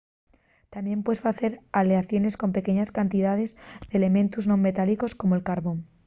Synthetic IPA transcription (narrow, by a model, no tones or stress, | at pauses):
t̪amje̞mpwe̞sfaθe̞ɾaleaθjo̞ne̞sko̞mpe̞keɲaskant̪iðaðe̞zðele̞mẽ̞nt̪uznõ̞mːe̞t̪aliko̞sko̞moelkaɾβo̞n